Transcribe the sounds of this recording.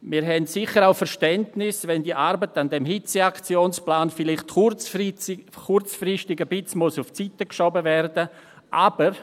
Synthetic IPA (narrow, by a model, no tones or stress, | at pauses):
miɾɦɛntsɪχəɾaʊfəɾʃtɛntnɪsvɛndiːʔaɾbətandɛmɦit͡seakt͡sjoːnsplaːnfɪlɪχtt͡s | kʰʊrt͡sfrɪstɪɡəbɪt͡smosʊft͡sitəkʃɔbəvɛrdə | ʔabəɾ